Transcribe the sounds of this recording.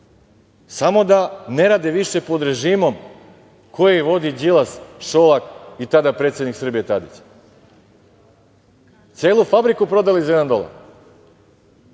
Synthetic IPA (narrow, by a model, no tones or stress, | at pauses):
samo̞d̪ane̞ɾaːd̪eʋiʃe̞po̞d̪ɾe̞ʒiːmo̞m | kʰo̞jeʋo̞d̪id͡ʑilˠasʃolˠakit̪ad̪apɾe̞t̪sjed̪niksr̩bijet̪ad̪it͡ɕ | t̪sʲjeːlˠufabɾikupɾo̞d̪alizjed̪and̪o̞la̰ɾ